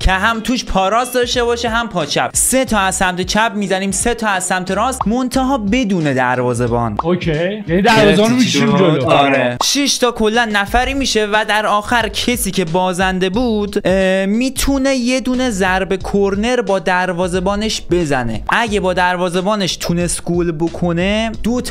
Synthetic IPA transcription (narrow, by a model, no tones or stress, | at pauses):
cʰe̞ɦæmt̪ʰuːʃpʰɒːɾɒːsd̪ɒʃt̪e̞βɒːʃeɦæmpʰɒːt͡ʃʰæ̰b̥se̞t̪ʰɒːæzsæmt̪ʰe̞t͡ʃʰæbmiːzæniːmse̞t̪ʰɒːæzsæmt̪ʰeɾɒːsmont̪ʰeɦɒːbe̞d̪uːne̞d̪æɾvɒːze̞bɒ̰ːnokʰejjanid̪æɾvɒːznomiid̪oɒːɾeʃiʃt̪ʰɒːkʰo̞lːænːæfæɾiːmiːʃe̞væd̪æɾɒːxæɾcʰe̞siːcʰe̞bɒːzænd̪e̞buːd̪miːt̪ʰune̞je̞d̪uːne̞zæɾbe̞kʰoɾne̞ɾbɒːd̪æɾvɒːze̞bɒːne̞ʃbe̞zæne̞̰ʔæɟebɒːd̪æɾvɒːze̞bɒːne̞ʃt̪ʰunest̪ɡulbokʰo̞ne̞d̪ot̪ʰː